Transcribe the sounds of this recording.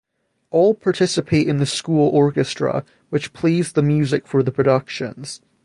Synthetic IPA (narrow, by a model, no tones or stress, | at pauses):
ʔɔlˠpʰaɹtʰɪsəpʰeʔɪ̃nðəskulˠɔɹkɨstɹ̥ə̰ | wɪt͡ʃpʰl̥izðəmjʉzɪkfə˞ðəpʰɹ̥ədʌkʃə̰̃nz̥